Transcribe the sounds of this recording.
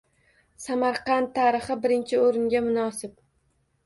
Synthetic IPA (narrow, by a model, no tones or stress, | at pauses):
samaɾqɑnt̪ʰːaɾɪχɨbɪɾɪnt͡ʃʰɪoɾɪŋɡʲamʊnɒsɪp̚